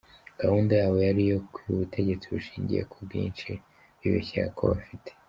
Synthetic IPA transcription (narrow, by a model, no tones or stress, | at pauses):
ɡ̥ahuːndajaːwe̞jaɾijo̞kujuβutʰe̞ɟe̞t͡siβuʃiːɲɟḭjḛkʰubɡiːnt͡ʃi | βḭβḛçeɾa̰kʰo̞̰βafitʰe̥